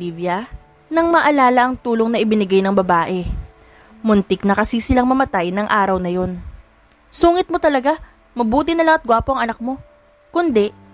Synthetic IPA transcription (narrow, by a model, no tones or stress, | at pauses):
ivjɐ | nɐŋmɐʔɐlaːlɐʔɐŋt̪uːlo̞ŋnɐʔɪbɪnɪɡajnɐŋbɐbaːʔɛ | mʊnt̪ɪknɐkɐsisɪlaŋmɐmɐt̪ajnɐŋʔaːɾɐwnɐjo̞n | suːŋɪt̪̚mo̞t̪ɐlɐɡa | mɐbuːt̪ɪnɐlɐŋɐt̪̚ɡwaːpoʔɐŋʔɐnɐk̚mo̞ | kʊnd̪ɛ